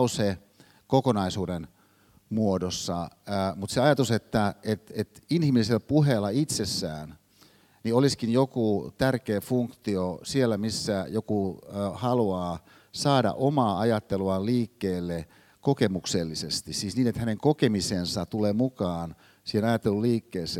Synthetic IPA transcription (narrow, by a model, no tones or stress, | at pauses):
use | kokonɑisuːden | muodosːɑmut̪seɑjɑt̪uset̪ːæet̪et̪inhimiliselpuɦelːɑit̪sesːæ̰ːn | nioliskinjokut̪ærkeːfuŋkt̪iosielːæmisːæjokuhɑluɑː | sɑːdɑ̰ʔomɑːɑjɑt̪ːeluɑliːkːeːlːe | kokemukselːisest̪issiːsniːnet̪hæneŋkokemisensɑt̪uleːmukɑːn | siːhenɑjɑt̪ːeluliːkːeːsˑeː